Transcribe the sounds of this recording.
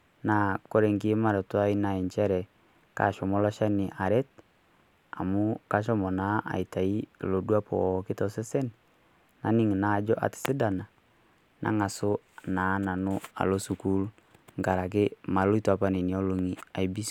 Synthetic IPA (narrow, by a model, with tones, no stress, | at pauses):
na˨ko˦ɾe˨ŋki˦ma˦ɾɛ˨twa˦i˦na˨i˨ɲt͡ʃɛ˦ɾɛ˨ | ka̰˨ʃɔ˨mɔ˦la˦ʃa˦ni˨ʔa˨ɾɛ˦t̚ | a̰˨mʊ˦ka˦ʃɔ˦mɔ˨na˦ʔa̰˨i˨ta˨i˦˨lo˨dwa˦pɔ̰˨kɪ˦tɔ˨sɛ˦sɛ˦n | na˨ni˦ŋ˨na˨d͡ʒɔ˦ʔa̰˨tɪ̥˨sɪ˦da˨na˨ | nʔa̰˨˦ŋa˨sʊ˦ | na˨˦na˨nʊ˦a̰˨lo˦su˨ku˦l | ŋɡa˨ɾa˨k̬ɪ˦ma˨lo˦i˦ta˨pa˦ni˨ni˨ɔ˦lo˨ŋi˨a˨jbi˦s